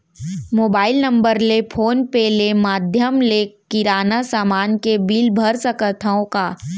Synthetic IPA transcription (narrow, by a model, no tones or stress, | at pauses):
moːbaːɪlnɐ̃mbəɾlepʰoːnpelemaːd̪ʱjəmlekɪɾaːnasaːmaːnkebiːlbʱəɾsəkət̪ʰəõkaː